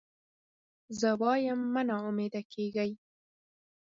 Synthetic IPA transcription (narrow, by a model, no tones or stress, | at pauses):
zəwɑjamːənaumed̪akʰeɡaj